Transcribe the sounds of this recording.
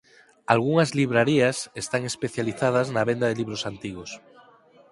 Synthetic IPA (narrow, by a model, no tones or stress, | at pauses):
alɣuŋazliβ̞ɾaɾiasest̪aŋespeθjaliθað̞aznaβend̪aðeliβɾosant̪iɣ̞os